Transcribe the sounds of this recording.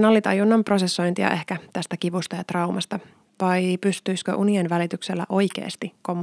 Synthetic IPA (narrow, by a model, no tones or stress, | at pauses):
nɑlːit̪ɑ̰junːɑmpro̞sesːo̞jnt̪iɑ̰ʔe̞hkæt̪æst̪ækiʋust̪ɑjɑt̪rɑumɑst̪ɑ | ʋɑjpyst̪yiskø̰ʔunienʋælit̪ykselːæ̰ʔo̞jkḛːst̪ikomː